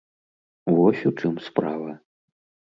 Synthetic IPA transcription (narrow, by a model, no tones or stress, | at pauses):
vɔsʲut͡ʂɨmspɾavɐ